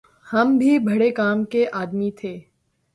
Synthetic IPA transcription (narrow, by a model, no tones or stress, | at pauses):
hɐmbʱibʱɐɽekaːmkeʔaːd̪mit̪ʰeː